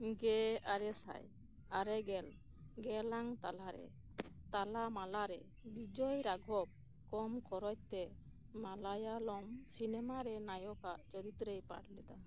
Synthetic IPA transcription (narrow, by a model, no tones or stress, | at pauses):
ɡɛaɾɛsa̰j | aɾɛɡɛl | ɡɛlaŋt̪alaɾɛ̰ | t̪alamalaɾɛ | bid͡ʒɔjɾaɡʱɔb̚ | kɔmkɔɾɔc̚t̪ɛ | malajalɔmsinɛmaɾɛnajɔkaʔt͡ʃɔɾit̪ɾejpa̰ɽlɛd̪a